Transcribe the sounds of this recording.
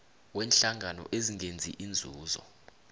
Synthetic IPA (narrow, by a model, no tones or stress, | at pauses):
wɛːnɬaŋʱanɔ̰ʔeziŋend͡zʱiʔind͡zʱuːzɔ̰